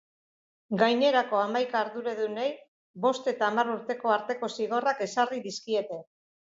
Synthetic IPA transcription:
ɡajne̞ɾako̞amajkaːɾðuɾeðunej | bo̞st̪e̞t̪aːmaruɾt̪e̞ko̞aɾt̪e̞ko̞siɣ̞o̞rake̞sariðiskie̞t̪e̞

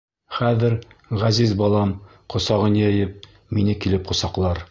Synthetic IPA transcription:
χæðɘɾʁæzizbɑlˠɑm | qŏsɑʁɤnjæjɘp̚ | minɘkilɘp̚qŏsɑqlˠɑɾ

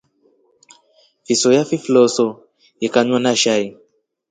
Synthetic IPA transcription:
fisɔjafiflɔsɔ | jikaɲwanaʃai

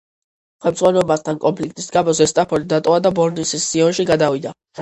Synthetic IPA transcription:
χɛmd̪z̥ʁwanɛbast̪ʰankʼɔmpʰlik̚ʼt̪ʼisɡamɔzɛst̪ʼapʰɔɾid̪at̪ʼɔvad̪abɔɾnisisːiɔnʃiɡad̪avid̪a

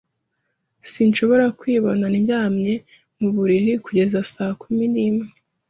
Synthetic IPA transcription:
sinʃo̞βo̞ɾakwiːβonaniɲɟaːmɲe̞ | muβuɾiɾikuɟe̞zasaːkuminiːmŋe

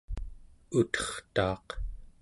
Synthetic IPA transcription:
ut̪ʌ̥χt̪ɑ̰ːq

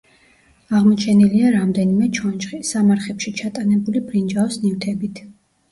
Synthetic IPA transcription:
aʁmɔt͡ʃʰɛniliaɾamd̪ɛnimɛt͡ʃʰɔnt͡ʃχisamaɾχɛpʃit͡ʃʰat̪ʼanɛbulibɾind͡ʒaɔsnift̪ʰɛbit̪ʰ

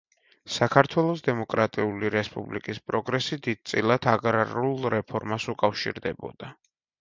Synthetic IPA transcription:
sakʰaɾt̪ʰwɛlˠɔsd̪ɛmɔkʼɾat̪ʼiuliɾɛspʼṵblḭkʼispʼɾɔɡɾɛsid̪id̪̥̚t̪sʼilˠat̪ʰaɡɾaɾulˠɾɛpʰɔɾmasukʼafʃḭɾd̪ɛbɔ̰d̪̥a

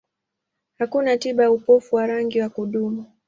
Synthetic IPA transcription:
hakunatiɓajaupɔfuwaɾaŋɡiwakuɗumu

